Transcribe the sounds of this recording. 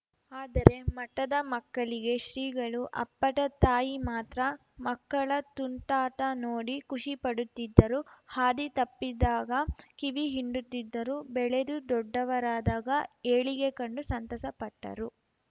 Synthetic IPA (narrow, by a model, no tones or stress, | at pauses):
aːd̪ɐɾe̞mɐʈːɐd̪ɐmɐkːɐɭiɡe̞ʃɾiːɡɐɭuʔɐ̰pːɐʈɐt̪aːjimaːt̪ɾɐ | mɐkːɐɭɐt̪uɳʈaːʈɐnoːɽikuʂipɐɽut̪ːid̪ːɐɾuhaːd̪it̪ɐpːid̪ːaːɡɐkiʋiɦiɳɖut̪ːid̪ːɐɾubɛɭe̞d̪ud̪ɔɖːɐʋɐɾaːd̪aːɡɐeːɭiɡe̞kɐɳɖusɐnt̪ɐsɐpɐʈːɐ̰ɾu